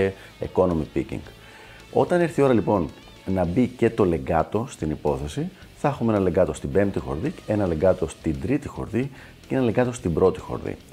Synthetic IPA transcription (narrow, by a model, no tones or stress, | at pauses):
e | ḭko̞no̞mipicḭŋɡ̥ | o̞t̪ɐniɾθio̞ɾɐlipo̞n | nɐbice̞t̪o̞le̞ɡɐt̪o̞st̪inipo̞θe̞si | θɐexumeenɐle̞ŋɡɐt̪o̞st̪ibe̞mt̪ixo̞̰ɾðie̞nɐle̞ŋɡɐt̪o̞st̪ind̪ɾit̪ixo̞̰ɾði | ceenɐleŋɡɐt̪o̞st̪ibɾo̞t̪ixo̰ɾðḭ